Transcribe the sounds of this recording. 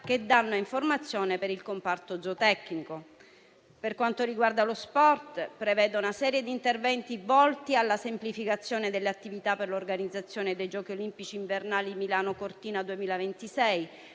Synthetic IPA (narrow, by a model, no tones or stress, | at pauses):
ked̪anːoiɱformat̪sːjoːnepeɾilkompart̪od̪zot̪ɛkːniko | perkwant̪oɾiɡward̪alospɔrt̪pɾevɛːd̪unasɛːɾjed̪iːnt̪ervɛnt̪ivɔlt̪ialːasemplifikat̪sːjoːned̪elːeat̪ːivit̪apːerlorɡanid̪zːat̪sːjoːned̪ejd͡ʒɔːk̟iolimpit͡ʃiːɱvernaːlimilaːnokort̪iːnad̪uemiːlavent̪isɛj